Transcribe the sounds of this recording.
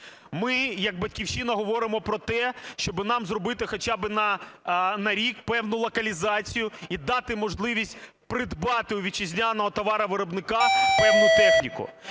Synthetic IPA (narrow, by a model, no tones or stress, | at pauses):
mɪjɐɡ̚bɐtʲkʲiwʃinɐɦɔʋɔɾɪmɔpɾɔt̪ɛʃt͡ʃɔbɪnɑmzrɔbɪt̪ɪxɔt͡ʃabɪnɐ | nɐɾʲikpɛwnʊlˠɔkɐlʲizɑt͡sʲijʊid̪ɑt̪ɪmɔʒlˠɪʋʲisʲtʲ | pɾɪd̪bɑt̪ɪʊʋʲit͡ʃɪzʲnʲanɔɦɔt̪ɔʋɑɾɐʋɪɾɔbnɪkɑpɛwnʊt̪ɛxnʲikʊ̰